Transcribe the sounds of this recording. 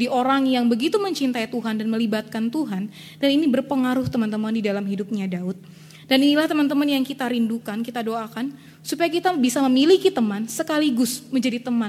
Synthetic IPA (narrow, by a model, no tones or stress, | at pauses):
diʔoɾaŋjaŋbəɡit̪uməɲt͡ʃint̪ait̪uɦandanməlibat̪̚kant̪uɦan | daninibərpəŋaɾʊht̪əmant̪əmandidalamɦidup̚ɲadaʊt̪̚ | daninilaht̪əmant̪əmanjaŋkit̪aɾindukankit̪adoakan | supajakit̪abisaməmilikit̪əmansəkaliɡʊsməɲd͡ʒadit̪əman